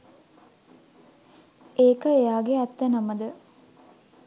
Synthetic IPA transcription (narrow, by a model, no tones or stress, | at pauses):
eːkəejaːɡeat̪ːənaməd̪ə